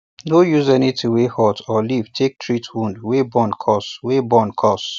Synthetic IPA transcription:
nojuzɛnitʰuwehɔtʰɔliv̥tʰek̚tʰɹitwũndwebɔ̃nkʰɔswebɔ̃nkʰɔs

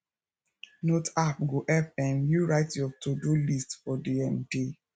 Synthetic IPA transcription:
notapɡoʔɛfɛmjuɹaɪtjɔtʰodulistfɔdiɛmde

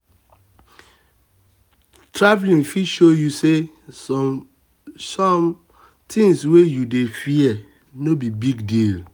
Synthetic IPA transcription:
tʰɹavlĩŋfiʃojuse | ɔ | sɔm | tʰĩŋswejudefiɛ | nobibiɡdil

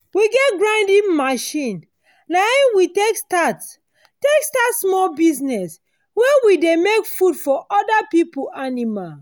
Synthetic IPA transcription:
wiɡɛt̚ɡɹãndimaʃĩn | naiwitekstat | tekstatsmɔlbiznɛs | wewidemekfudfɔʔɔdapipuʔanimal

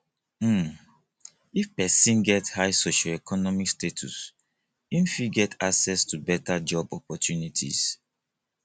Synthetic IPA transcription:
m̩ | ifpɛsĩnɡɛthaɪsoʃɔɛkʰɔnɔmikstetʰṵs | ĩnfiɡɛtʰaksɛstubɛtad͡ʒɔbɔpɔtjunitʰḭz

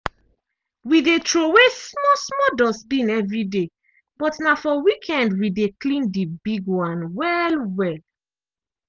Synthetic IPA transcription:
widetʰɹowesmɔsmɔdɔsbĩnɛvɹide | b̥ɔtnafɔwikʰɛ̃ndwideklĩndibiɡwãnwɛlwɛl

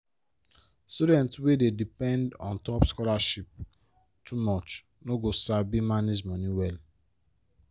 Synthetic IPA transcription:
studɛ̃ntswededipɛ̃ndɔ̰̃ntɔpskɔlaʃip̚ | tʰumɔt͡ʃ | noɡosabimaned͡ʒmɔ̃nĩwɛl

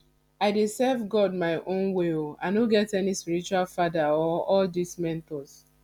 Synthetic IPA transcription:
aɪdesɛvɡɔd̚maɪʔõnweoa̰ɪnoɡɛtɛnispiɾit͡ʃualfadaɔɔldismɛ̃ntɔs

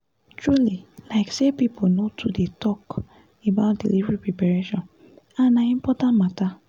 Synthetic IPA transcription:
tɹulilaɪksepipʰonotʰudetɔk | ebaʊt̚dḭlivɹipɹepaɹeʃɔ̃n | anaĩmpɔtãnmata

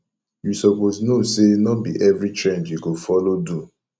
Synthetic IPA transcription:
jusɔposnosenɔbḭʔɛvɹit͡ʃɹɛ̃nd͡ʒjuɡofɔlodu

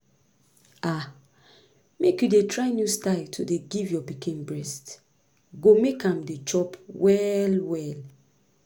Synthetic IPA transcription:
a | mekjudetɹaɪnjustaɪltʰodeɡivjɔpikĩnbɹɛst | ɡomekãmdet͡ʃɔpwɛlwɛl

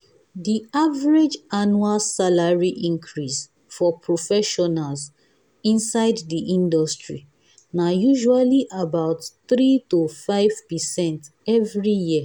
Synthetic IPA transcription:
diavaɹed͡ʒanualsalaɹiʔĩŋkʰɹis | fɔpʰɹofɛʃɔnalz | ĩnsaɪddiʔĩndɔstɹi | najuʒualiʔabaʊtθɾitofaɪv̥pɛsɛ̃nt | ɛvɹijiə

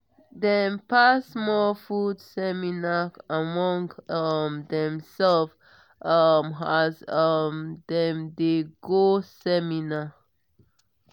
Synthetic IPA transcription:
dɛ̃npasmɔfudsɛminaamɔ̃ŋɡʌmdɛ̃msɛlf | ʌmazʌmdɛ̃mdeɡosɛmina

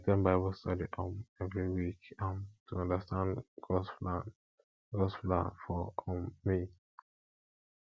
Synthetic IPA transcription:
tɛ̃nbaɪbəlstʌdiʔɔ̃mɛvɹiwikãmtʰuʌ̃ndəstãndɡ̥ɔsplãn | ɡɔsplã̰nfɔ̃mːi

